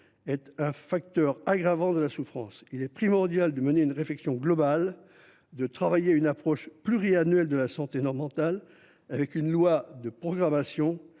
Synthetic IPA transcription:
ɛt̪ɛ̃fak̚t̪œʁaɡʁavɑ̃d̪əlasufχɑ̃silɛpχimɔʁd̪jald̪əməneynʁeflɛksjɔ̃ɡlɔbal | d̪ət̪χavajeaynapχɔʃplyʁianɥɛld̪əlasɑ̃t̪enɔʁmɑ̃t̪al | avɛkynlwad̪əpχɔɡʁamasjɔ̃

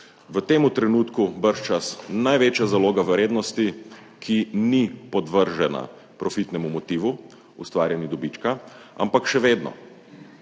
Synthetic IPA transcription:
ʋət̪eːmut̪ɾɛnuːt̪kubəɾʃt͡ʃasnajʋeːt͡ʃjazaloːɡaʋɾeːd̪nɔst̪i | kʰinipɔd̪ʋəɾʒɛna̰ | pɾɔfit̪nɛmumɔt̪iːʋu | ust̪ʋaːɾʲjɛnid̪ɔbit͡ʃkaa̰mpakʃɛʋeːd̪nɔ̰

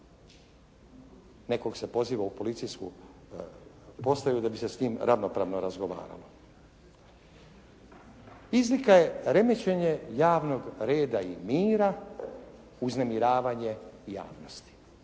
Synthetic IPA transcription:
ne̞ko̞ɡsepo̞ziːʋaupo̞lit̪sijskṵ | po̞st̪ajud̪abise̞sɲiːmɾʔaʋno̞pɾa̰ːʋnoɾazɡo̞ʋa̰ːɾa̰lo̞ | izlikaje̞ɾe̞met͡ɕe̞ɲe̞jaːʋno̞ɡɾe̞ːd̪aimiːɾa | uznemiɾaːʋaɲe̞ja̰ːʋno̞st̪i̥

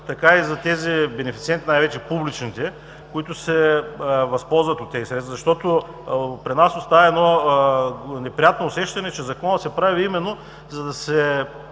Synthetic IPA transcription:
t̪ɐkaizɐt̪ɛzibɛnɛfit̪siɛnt̪inajvɛt͡ʃɛpublit͡ʃnit̪ɛ | kʊit̪ʊsɛ | vɐspɔlˠzvɐt̪ot̪ːɛzisɛt̪vɐzɐʃt̪ɔt̪o | pɾinasost̪avɐɛd̪nɔ | nɛpɾijat̪noːsɛʃt̪ɐnɛt͡ʃɛzɐkɔnət̪sɛpɾaviimɛnːo | zɐd̪ɐsɛ

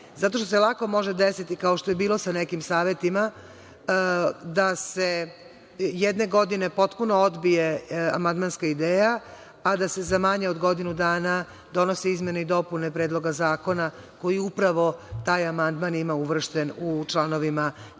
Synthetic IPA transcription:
zat̪o̞ʃt̪oselˠako̞mo̞ʒed̪esit̪ikaoʃt̪o̞je̞biːlo̞sanekimsaːʋe̞t̪ima | d̪ase | jed̪ne̞ɡo̞d̪ine̞po̞t̪puno̞od̪bije̞a̰mand̪manskaid̪eːjaː | d̪ase̞zamaɲaod̪ɡo̞d̪inud̪aːna | d̪o̞no̞seizmʲje̞neid̪o̞pune̞pɾeːd̪lˠo̞ɡazaːko̞na | ko̞jiupɾaʋo̞t̪aːjamand̪manimauʋr̩ʃt̪enut͡ʃlˠano̞ʋima

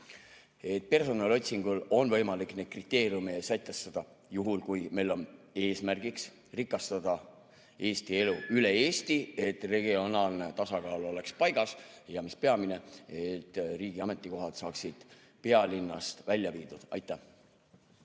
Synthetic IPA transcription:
e̞t̪̚pe̞rso̞nɑlo̞t̪ʲsiŋɡ̥ulo̞nvɤ̞jmɑlikne̥krit̪ːˑe̞ːɾijumeːsæjt̪ːˑest̪ɑd̪̥ɑ | juɦulkujme̞jlo̞ne̞ːsmærɡ̥iks | rikːˑɑst̪ɑd̪̥ɑ | e̞ːst̪ie̞luyle̞eːst̪ie̞t̪re̞ɡio̞nɑːlne̞t̪ɑsɑkɑːlo̞le̞kspɑjɡɑsjɑmispe̞ɑmine̞et̪ːriːɡ̥iɑme̞t̪ˑːiko̞ɦɑt̪sɑːksid̪̥ | pe̞ɑlinːɑ̰st̪vælʲjɑviːd̪̥ud̪̥ɑ̰jt̪ːˑæh

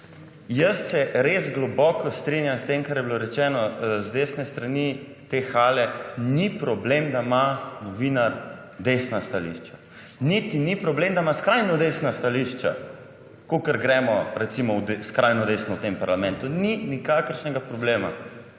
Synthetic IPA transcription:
jəssɛɾezɡlɔbɔkɔst̪ɾinjamst̪emkaɾjɛbiloɾɛt͡ʃɛnɔzd̪esnɛst̪ɾani | t̪exalɛnipɾɔblemd̪amanɔʋinaɾ | d̪esnast̪alḭʃt͡ʃa | nit̪inipɾɔblemd̪amaskɾajnɔd̪esnast̪aliʃt͡ʃa̰ | kokəɾɡɾɛmɔɾɛt̪simɔd̪skɾajnɔd̪esnɔwt̪empaɾlamɛ̃nt̪uninikakəɾʃnɛɡapɾɔbleːma̰

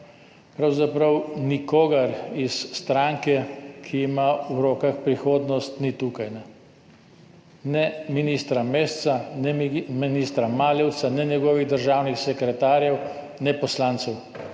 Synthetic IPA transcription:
pɾawzapɾɐwnikoːɡɐɾisːt̪ɾaŋkɛkʰiːmauɾɔːkaxpɾixoːd̪nɔst̪nit̪uːkajnɛ | nɛminist̪ɾameːst̪sanɛminiːst̪ɾamaːlɛwt̪sanɛnjɛɡɔːʋiɣd̪əɾʒaːwnixsɛkɾɛt̪aːɾjɛw | nɛpɔslaːnt̪sɛw

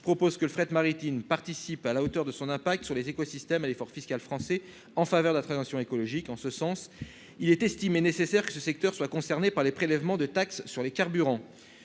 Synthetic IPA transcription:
pχɔpozkələfχɛt̪maʁit̪inpaʁt̪isipalaot̪œʁd̪əsɔ̃nɛ̃pak̚t̪syʁlezekɔsist̪ɛmalefɔʁfiskalfχɑ̃sɛ | ɑ̃favœʁd̪əlat̪χɑ̃zɑ̃sjɔ̃ekɔlɔʒikɑ̃səsɑ̃s | ilɛt̪ɛst̪imenesesɛʁkə̥səsɛk̚t̪œʁswakɔ̃sɛʁnepaʁlepχelɛvmɑ̃d̪ət̪aksːyʁlekaʁbyʁɑ̃

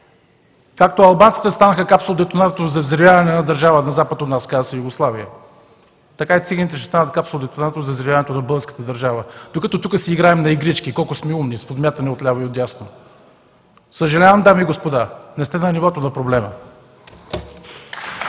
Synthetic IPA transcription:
kak̚t̪oɐlˠbant̪si̥t̪ɛst̪anəxəkapsolˠod̪ɛt̪onat̪t̪ozɐvzɾivʲjavɐnɛnɐd̪əɾʒavənɐzapət̪ot̪naskasɐjuɡoslˠaviə | t̪ɐkait̪siɡənit̪ɛʃɛst̪anət̪̚kapsolˠod̪ɛt̪onat̪t̪ozɐvzɾivʲavɐnɛt̪onɐbɤlˠɡəɾskə̥t̪əd̪ɐɾʒavəd̪̥okɐt̪ɔt̪ukəsɛiɡɾaɛmnɐiɡɾit͡ʃkikɔlˠkʊsmɛumnispod̪mʲjat̪ənɛot̪lʲavəiot̪ʲjasno | səʒɐlʲavəmd̪amiːɡospod̪anɛst̪ɛnɐnivɔt̪onɐpɾoblɛmə̰

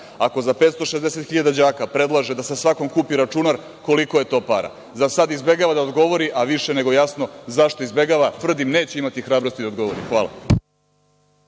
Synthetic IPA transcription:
ako̞zape̞ːt̪st̪o̞ʃe̞zd̪e̞se̞t̪xiʎad̪ad͡ʑaːkapɾe̞d̪lˠaʒe̞d̪asesʋako̞mkuːpiɾat͡ʃunaɾ | ko̞likoje̞t̪o̞ːpa̰ɾa̰ | zasad̪izbe̞ɡaʋad̪aod̪ɡo̞ʋo̞ɾiʔaʋiʃene̞ɡo̞jasno̞zaʃt̪oizbe̞ɡaʋat̪ʋr̩d̪imne̞ːt͡ɕeimat̪ixɾaːbɾo̞st̪id̪aod̪ɡo̞ʋo̞ɾḭxʋaːlˠa̰

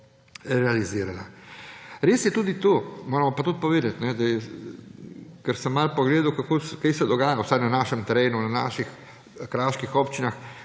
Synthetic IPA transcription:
ɾɛaliziːɾana | ɾeːsjɛt̪uːd̪it̪oːmoːɾɛmɔpat̪ut̪̚pɔʋeːd̪at̪nɛd̪ajɛ | kəɾsɛmːalpɔɡleːd̪ukakokajsɛd̪ɔɡaːjawsajnanaːʃɛmt̪ɛɾeːnunana̰ːʃix | kɾaːʃkixɔpt͡ʃinax

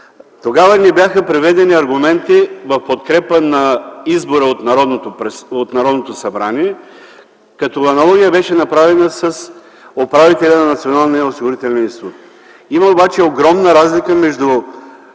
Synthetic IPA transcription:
t̪oɡavənɛbʲjaxəpɾɛvɛd̪ɛniɐɾɡʊmɛnt̪ivɐfpot̪kɾɛpənɐizboɾəot̪nɾɔd̪not̪opɾɛsot̪nɐɾɔd̪not̪osɐbɾaniɛ | kɐt̪ɔɐnɐlˠɔɡʲijəbɛʃɛnɐpɾavɛnəsɐs | opɾavit̪ɛlʲɐnɐnɐt̪sionalˠnɛosiɡoɾit̪ɛlʲnʲɛnist̪ut̪ | imɐobat͡ʃɛoɡɾɔmnəɾazlikəmɛʒd̪u

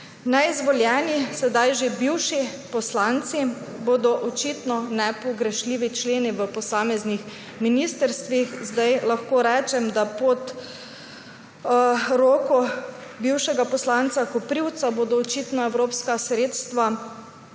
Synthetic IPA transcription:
nɛizʋɔljɛːnisɛd̪ajʒebiwʃipɔslant̪siboːd̪ɔʔɔt͡ʃiːt̪nɔnɛpɔɡɾɛʃliːʋit͡ʃleːniʋəpɔsaːmɛznix | miniːst̪əɾst̪ʋixzd̪ajlaxkoːɾɛːt͡ʃɛmd̪apɔt̪ | ɾoːkɔbiwʃɛɡapɔslant̪sakɔpɾiwt̪saboːd̪ɔːt͡ʃiːt̪nɔɛwɾoːpskasɾeːt̪st̪ʋa

